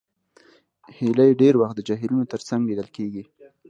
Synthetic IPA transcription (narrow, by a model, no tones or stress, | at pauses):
hilajɖeɾwaxt̪̚d̪əd͡ʒaɦɪlunot̪əɾt͡saŋɡled̪əlkeɡi